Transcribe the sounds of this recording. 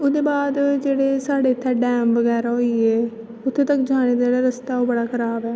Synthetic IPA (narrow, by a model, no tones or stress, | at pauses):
ʊd̪eːbaːd̪d͡ʒeːɽeːsaːɽeːt̪ʰːɛːɖɛːmʋəɡɛːɾaːɦoːiːeː | ʊt̪ʰːeːt̪əkd͡ʒaːɽ̃eːd̪ad͡ʒeːɽaːɾəst̪aːoːbəɽaːkʰəɾaːbɛː